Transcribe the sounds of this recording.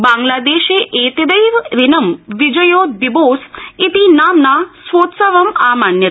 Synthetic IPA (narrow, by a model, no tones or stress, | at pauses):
bãŋɡlaːd̪eːʃeʔet̪id̪əjʋɾinəmʋɪd͡ʒəjoːʋiboːsit̪inaːmnasʋoːt̪səʋəmaːmanjə